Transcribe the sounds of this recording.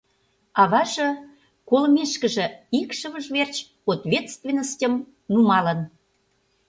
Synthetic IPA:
ɑβɑʒɤ̆ | kolmʲeʃkə̆ʒĕikʃə̆βə̆ʒvert͡ɕ | ot̪vʲet̪st̪vʲenːəsʲtʲəm | numɑlə̆n

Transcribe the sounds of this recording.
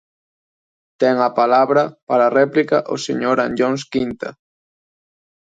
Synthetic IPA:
t̪ɛŋapalaβɾɐpaɾarɛplikaʔosḛɲoɾãnd͡ʒoŋskint̪a̰

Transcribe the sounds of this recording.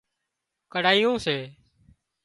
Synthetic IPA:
kəɽaːijõːseː

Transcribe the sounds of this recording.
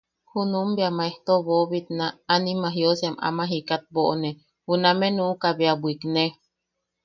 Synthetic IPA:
hunumbeamaeht̪oβoβit̪̚naːnimaɦjosema̰mãɦikat̪̚boʔonẽ | hunamẽnũʔukabeabuikne

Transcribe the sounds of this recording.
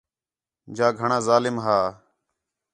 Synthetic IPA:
d͡ʒaːɡʱəɳãːzaːlɪmɦaː

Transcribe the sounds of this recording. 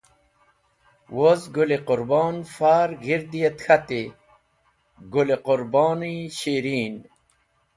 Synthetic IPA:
wozɡulequɾboːnfaːɾɡiɾd̪ijet̪xat̪i | ɡuleqʊɾbɔːniɕiːɾiːn

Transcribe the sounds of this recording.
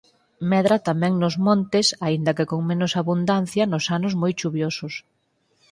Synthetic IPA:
mɛðɾɐt̪amɛ̃ŋnʊzmõnt̪ɪsaind̪ɐkekoŋmenʊsaβund̪an̟θjɐnʊsanʊzmojt͡ʃuβjosʊs

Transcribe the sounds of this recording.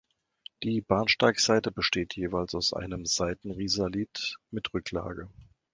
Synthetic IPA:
d̥iːbaːnʃtaɪkz̥aɪtəbəʃteːtʰjeːvaɪlsaʊsʔa̰ɪnəmz̥aɪtn̩ʁiːzɐliːtmɪtʁʏkla̰ːɡə

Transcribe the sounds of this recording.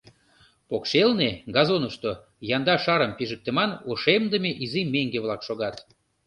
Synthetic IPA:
pokʃelneɡɑzonəʃt̪o | jɑnd̪ɑʃɑɾəmpiʒək̚t̪əmɑnoʃemd̪əmeʔizimeŋɡeβlɑkʃoɣɑt̪

